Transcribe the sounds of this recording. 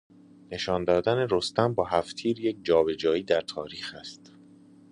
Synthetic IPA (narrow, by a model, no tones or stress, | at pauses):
ne̞ʃɒːnd̪ɒːd̪æne̞ɾo̞st̪æmbɒːɦæft̪ʰiːɾjec̚d͡ʒɒːbe̞d͡ʒɒːiːd̪æɾt̪ʰɒːɾiːxæst̪